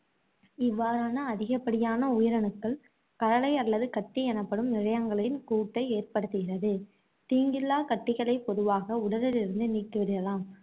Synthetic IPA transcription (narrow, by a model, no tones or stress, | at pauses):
ɪʋːaːɾaːnɐːðɪɣɐpːɐɽɪjaːnɐʊjɪɾɐnɯkːɐɭ | kɐɽɐlɐɪɐlːɐðɯkɐʈːiɛnɐpːɐɽɯmnɪɻɐjɐŋɡɐɭɪnkuːʈːɐɪeːrpɐɽɯt̪ːɯɣɪrɐðɯ | t̪iːŋɡɪlːaːkɐʈːɪɣɐɭɐɪpːɔðɯʋaːɣɐʊɽɐɾɪlɪɾɯnd̪ɯniːkːɯʋɐɾɪɾɐlaːm